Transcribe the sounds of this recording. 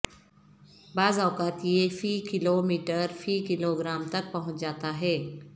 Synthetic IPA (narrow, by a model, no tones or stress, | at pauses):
bad͡zawkat̪jefiːkilomiʈəɾfiːkiloɡɾamt̪ək̚pəɦũtd͡zat̪aɦe